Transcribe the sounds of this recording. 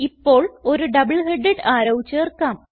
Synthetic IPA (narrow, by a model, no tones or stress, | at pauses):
ipːo̞ːɭo̞ɾuɖɐbɨɭɦeɖːeɖaːɾɐwit͡ɕːɨerkːaːm